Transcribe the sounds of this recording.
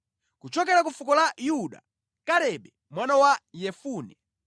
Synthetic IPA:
kut͡ʃɔkɛɾakufukɔlajuɗa̰ | kaɾɛɓɛ | mwanawajɛfuːnɛ

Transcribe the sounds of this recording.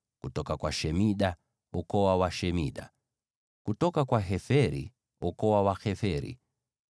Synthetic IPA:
kutɔkakwaʃɛmiɗa | ɔkɔwawaʃɛmiɗa̰ | kutɔkakwaɦɛfɛɾḭ | ɔkɔwawaxɛfɛɾḭ

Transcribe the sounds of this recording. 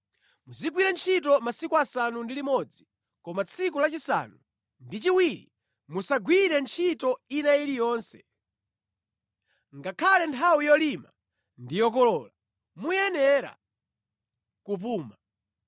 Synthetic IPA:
muziɡwiɾɛnt͡ʃʰit̬ɔmasikuasanundilimɔd͡zi | kɔmat͡sʰikulat͡ʃisa̰nu | ndit͡ʃiwiɾḭ | musaɡwiɾɛnt͡ʃʰitɔinaiɾijɔːnsɛ̥ | ŋɡakʰalɛntʰawijɔlima | ndijɔk̬ɔlɔːla | mujɛnɛɾa̰ | kup̬uːma

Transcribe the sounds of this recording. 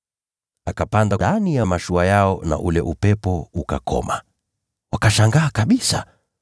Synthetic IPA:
akapandaanijamaʃuajaɔna̰ʔulɛʔupɛpɔuka̰kʰɔ̰ma | wakaʃaŋɡaːkaɓisa̰

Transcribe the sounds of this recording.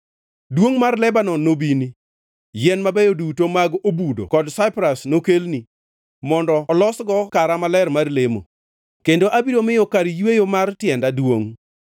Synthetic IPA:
dwoŋmarlɛbanɔnːobini | jɛnmabɛjodutomaɡobudo̰kɔdsaɪpɾasnokelni | mɔndɔːlɔsɡɔkaɾamalɛrmarlemo̰ | kendoʔabiɾomɪjɔkaɾijwejomartjɛndadwoŋ

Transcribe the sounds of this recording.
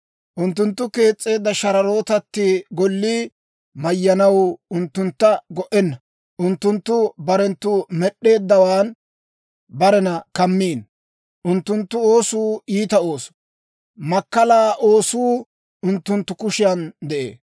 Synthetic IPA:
ʔʊnt̪ːʊnt̪ːʊke̞ːt͡sʼːe̞ːd̪ːɐʃɐɾɐɾo̞ːt̪ɐt̪ːɪɡɔlːi | mɐjːɐnɐwʊnt̪ːʊnt̪ːɐɡɔʔɛnːɐ | ʔʊnt̪ːʊnt̪ːʊbɐɾɛnt̪ːumɛɗːe̞ːd̪ːɐwaːn | bɐɾɛnɐkɐmːiːn | ʔʊnt̪ːʊnt̪ːʊo̞ːsuːiːt̪ɐo̞ːsɔ̥ | mɐkːɐlaːʔo̞ːsuː | ʊnt̪ːʊnt̪ːʊkʊʃɪjɐnd̪ɛʔḛː

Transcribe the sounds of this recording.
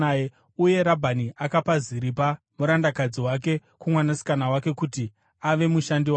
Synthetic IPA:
ae | uje̞ɾabʱaniʔakapaziɾip̬a | muɾandakad͡ziwak̬e̞kumwanasi̥kanawake̞kuti | aʋe̞muʃandiwa

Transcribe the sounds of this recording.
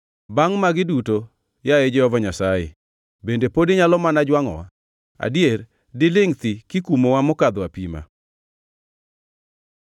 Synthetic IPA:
baŋmaɡɪduto | jaed͡ʒɛɔvɔɲasajḛ | bendepodiɲalɔmanad͡ʒwaŋɔ̰wa̰ | a̰dijer | dɪlɪŋt̪ikɪkumowamɔkad̪wapima̰

